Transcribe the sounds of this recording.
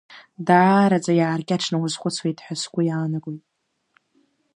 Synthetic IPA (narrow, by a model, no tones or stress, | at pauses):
daːɾad͡zʼajaːrɡʲʼaʈ͡ʂʰnɨwazχʷʊt͡sʰwejtʼħʷᶣaskʷʼʊjaːnaɡʷʼojtʼ